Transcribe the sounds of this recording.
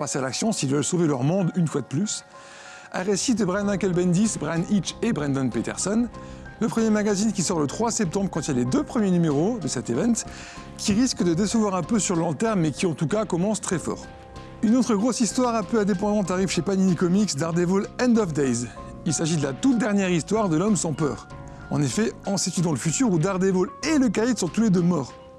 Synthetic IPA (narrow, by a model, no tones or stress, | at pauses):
pasealaksjɔ̃silvœlsovelœʁmɔ̃d̪ynfwad̪əplys | a̰ʁesid̪əbʁanmãkɛlbɛnd̪isbʁanit͡ʃebʁɛnd̪ɔnpet̪ɛ̰ʁsɔn | ləpχəmjemaɡazinkʲisɔʁlət̪χwasɛp̚t̪ɑ̃bʁkɑ̃t̪ialed̪øpχəmjenymeʁod̪əsɛt̪evɛ̃t̪ | kʲʰiʁiskd̪əd̪esəvwaʁɛ̃pøsyʁllɑ̃t̪ɛʁmmɛkʲiɑ̃t̪ukakɔmɑ̃st̪χɛfɔ̰ːʁ | ynot̪χəɡʁosist̪waʁɛ̃pøɛ̃d̪ep̬ɑ̃d̪ɑ̃t̪̬aʁivʃepaninikɔmiksd̪aʁd̪evolɛ̃nd̪ɔfd̪ɛjz | ilsaʒid̪əlat̪ut̪̚d̪ɛʁnjɛʁist̪waʁd̪əlɔmsɑ̃pœ̰ːʁ | ɑ̰̃nefɛɑ̃set̪yd̪ɑ̃ləfyt̪yʁud̪aʁd̪evoleləkajt̪sɔ̃t̪uled̪ømɔːʁ